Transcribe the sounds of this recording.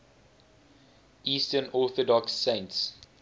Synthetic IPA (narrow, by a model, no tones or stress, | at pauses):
iːstənɔˑθɔdɔksːẽɪ̃nts